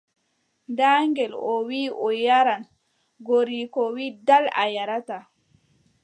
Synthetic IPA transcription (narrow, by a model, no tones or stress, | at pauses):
ndaːŋɡɛlɔwiːʔɔjaɾan | ɡoɾikɔwiːdala̰jaɾata